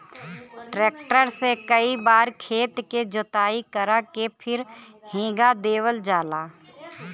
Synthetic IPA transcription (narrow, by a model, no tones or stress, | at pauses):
ʈɾeːk̚ʈəɾsekəibaːɾkʰeːt̪ked͡ʒʊt̪aːikəɾakepʰɪɾ | hẽːɡad̪eːwəld͡ʒaːlaː